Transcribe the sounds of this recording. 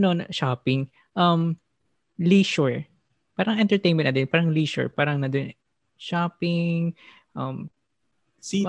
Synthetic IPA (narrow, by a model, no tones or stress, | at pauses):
nonʃaːpɪŋ | ʔɐm | liːʃɔɹ | paːɾɐŋʔɛ̃nt̪ɛɹt̪ejnmɛ̃nt̪ɐd̪ɛnpaːɾɐŋliːʃɔ̰ɹpaːɾɐŋnɐd̪on | ʃaːpɪŋ | ʔɐm